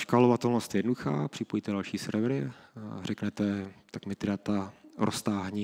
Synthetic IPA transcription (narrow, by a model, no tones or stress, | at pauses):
ʃkalovat̪ɛlnost̪jɛdnoduxa̰ːpr̝̥ɪpojit̪ɛdalʃiːsɛɾvɾɪrɛknɛt̪ɛt̪akmɪt̪ɪdat̪aɾʔost̪aːɦɲi